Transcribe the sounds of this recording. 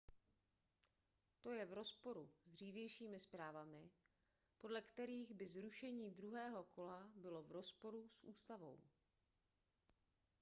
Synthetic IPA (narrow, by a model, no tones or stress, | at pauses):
t̪o̞jɛvɾo̞spo̞ɾuzd̪r̝iːvjɛjʃiːmɪspɾaːvamɪ | po̞dlɛkt̪ɛɾiːɣbɪzɾuʃɛɲiːd̪ɾuɦɛːɦo̞kʰo̞labɪlo̞vɾo̞spo̞ɾusʔuːst̪avo̞̰w